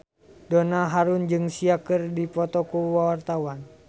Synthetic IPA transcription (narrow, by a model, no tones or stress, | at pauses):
donaɦaɾund͡ʒɨŋsiakɨrdipɔt̪ɔkuwawart̪awan